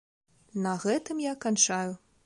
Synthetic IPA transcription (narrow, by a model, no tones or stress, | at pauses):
nɐɣɛt̪ɨmjakanʲt͡ʂaju